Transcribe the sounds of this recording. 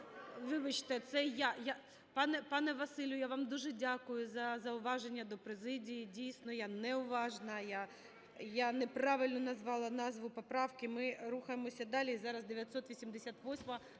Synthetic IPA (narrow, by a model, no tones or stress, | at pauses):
ʋɪʋɪt͡ʃt̪ɛt̪sɛjaja | pɑnɛpɑnɛʋɐsɪlʲjʊjaʋɑmd̪uʒɛdʲakʊjʊzɐzɐʊʋɑʒenʲːɐd̪ɔpɾezɪdʲijidʲijsʲnɔjanɛʊʋɑʒnɐja | janepɾɑʋɪlʲnɔnɐzʋɑlˠɐnɑzʋʊpɔpɾɑwkɪmɪɾuxɐjemɔsʲɐd̪ɑlʲiːzɑɾɐzd̪eʋʲjɐt̪sɔt̪ʋʲisʲimd̪esʲat̪ʋɔsʲmɐ